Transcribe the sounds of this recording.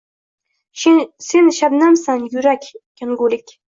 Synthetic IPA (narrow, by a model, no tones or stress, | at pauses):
sinʃabnamsanjuɾakʲjanɡulɪkʲ